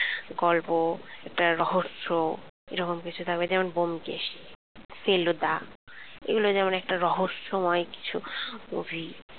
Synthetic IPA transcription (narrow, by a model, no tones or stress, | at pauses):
ɡɔlpoɛk̚ʈaɾɔɦoʃːoḛɾɔkomkit͡ɕʰut̪ʰakbed͡ʑɛmonbomkeʃi̥ | selod̪a | ḛɡulod͡ʑɛmonɛk̚ʈaɾɔɦoʃːomɔeki̥t͡ɕʰuo̰bʱi